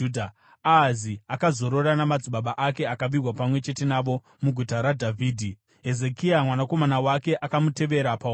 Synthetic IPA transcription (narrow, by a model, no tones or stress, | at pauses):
dʱa | aziakazo̞ɾo̞ranamad͡ziɓaɓaʔake̞akaʋirwapamwe̞t͡ʃe̞te̞naʋo̞ | muɡʱutaɾadʱavʱiːdʱi | ɦe̞ze̞kiamwanako̞manawake̞ʔakamute̞ʋe̞ɾapa